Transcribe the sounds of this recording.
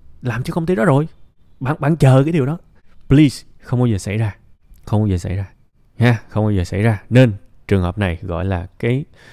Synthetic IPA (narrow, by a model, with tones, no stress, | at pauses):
laː˨˩mt͡ɕɔ˧kə˧wŋ͡mt̪i˨˦˥ɗɔ˨˦zo˨˩j | ɓa̰ː˧˨nɓa̰ː˧˨nt͡ɕəː˨˩kaː˨˦jɗi˨˩əwɗɔ˨˦ | pli˧sxə˧wŋ͡mkɔ˨˦zəː˨˩sa̰˧˩jzaː˧ | xə˧wŋ͡mkɔ˨˦zəː˨˩sa˧˩jzaː˧ | haː˧xə˧wŋ͡mkjzəː˨˩sa̰˧˩jzaː˧ne˧nt͡ɕɨ˨˩əŋhəː˨˩p̚na˨˩jɣɔ̰˧˨jlaː˨˩kaː˨˦j